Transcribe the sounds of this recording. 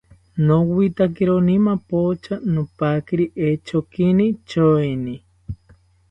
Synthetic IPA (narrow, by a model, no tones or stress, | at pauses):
nowit̪ak̬iɾonimapot͡ʃanopakiɾiʔet͡ʃokinit͡ʃoini